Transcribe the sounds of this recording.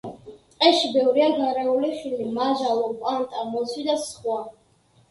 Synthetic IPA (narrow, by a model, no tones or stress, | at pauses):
t̪ʼqʼɛʃibɛvɾiaɡ̪aɾɛuliʃwilimaʒalɔpʼalt̪ʼamɔsʰwid̪asχwa